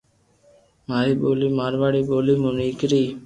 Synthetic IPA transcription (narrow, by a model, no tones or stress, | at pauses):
maːɾiːɓoːliːmaːɾʋaːɽiːɓoːliːmũːniːkɾiː